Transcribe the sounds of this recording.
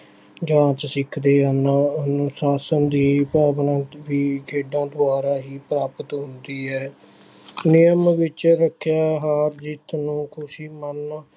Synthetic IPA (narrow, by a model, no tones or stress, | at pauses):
d͡ʒãːt͡ʃsɪkʰd̪eːənaənʊsaːsənd̪iːpaːʋnãːʋiːɡʰʱeːɖãːd̪ʊaːɾaːɦiːpɾaːpət̪ɦʊnd̪iːɦɛː | nɪjəmʋɪt͡ʃɾəkʰːjaːɦaːɾd͡ʒɪt̪nũːkʰʊʃiːmən